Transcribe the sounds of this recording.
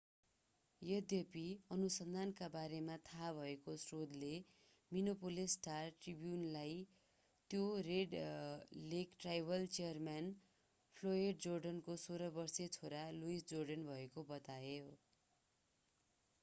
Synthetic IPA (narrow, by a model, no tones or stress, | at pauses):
jʌd̪jʌpiʌnusʌnd̪ʱankabaɾemat̪ʰabʱʌekosrod̪le | minopolisʈarʈribjunlaj | t̪joreɖ | lekʈrajbʱʌlt͡sijʌrman | pʰloeɖd͡zorɖʌnkosoɾʌbʌrset͡sʰoɾaluisd͡zorɖʌnbʱʌekobʌt̪aeo